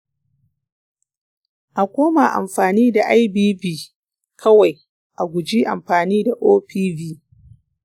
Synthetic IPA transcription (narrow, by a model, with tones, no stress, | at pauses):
ʔa˨kʷoː˦ma˨ʔa̰˨mɸaː˨niː˦da˨ʔa˦jbiː˦biː˦˨ | kʰɐ˦wa˨j | ʔa˨ɡʷʊ˨d͡ʒiː˦ʔa̰˨mɸaː˨niː˦da˨ʔoː˦ɸiː˦biː˦